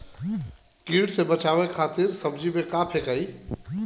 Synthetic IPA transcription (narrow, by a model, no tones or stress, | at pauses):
kiɽsebət͡ʃabekʰat̪iɾsəbd͡ʒibekapʰekəi